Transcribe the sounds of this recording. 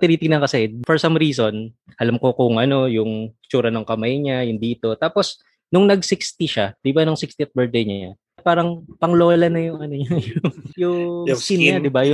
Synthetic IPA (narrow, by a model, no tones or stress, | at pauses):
t̪ɪniːt̪ɪŋnɐŋkɐsɛfɔɹsɐmɾiːso̞n | ʔɐlamko̞kʊŋʔɐno̞jʊŋt͡ʃuːɾɐnʊŋkɐmajɲajʊnd̪iːt̪o̞t̪aːpo̞s | nʊŋnɐɡsɪkst̪iʃad̪̥ɪbanʊŋsɪkst̪iɐt̪̚bɛɹd̪ɛɲa̰ | paːɾɐŋpɐŋlo̞ːlɐnɐjʊŋɐnoɲajʊʊŋjʊŋsinɲad̪ɪbajʊ